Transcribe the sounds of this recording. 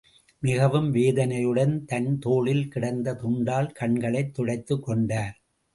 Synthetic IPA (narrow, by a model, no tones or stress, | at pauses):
mɪɣɐʋɯmʋeːðɐnɐjɯɽɐnt̪ɐnt̪oːɭɪlkɪɽɐnd̪ɐt̪ʊɳɖaːlkɐɳɡɐɭɐɪt̪ːɔɽɐɪt̪ːɯkːɔɳɖaːɾ